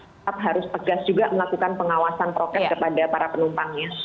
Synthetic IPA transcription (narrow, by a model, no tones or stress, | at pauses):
ap̚ɦaɾʊst̪əɡasd͡ʒuɡaməlakukanpəŋawasanpɾokɛskəpadapaɾapənumpaŋɲa